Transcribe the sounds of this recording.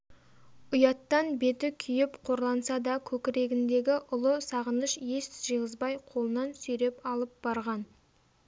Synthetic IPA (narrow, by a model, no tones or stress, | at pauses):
ʊjɑt̪ːɑnbe̞t̪ɪkʲʰʏjɪpqʰo̞ɾlˠɑnsɑd̪ɑkʲʰɵkʲɪɾe̞ɡʲɪnd̪e̞ɡʲɪʔʊlˠəsɑʁənəʃje̞sʒ̥əʁəzbɑjqʰo̞lˠənɑnsɵjɾe̞pɑlˠəp̚b̥ɑɾʁɑn